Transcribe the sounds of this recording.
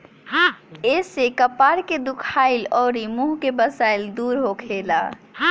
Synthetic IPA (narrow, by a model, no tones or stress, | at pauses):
esekəpaɾked̪ukʰailɔːɾimuɦkebəsaild̪uːɾɦokʰela̰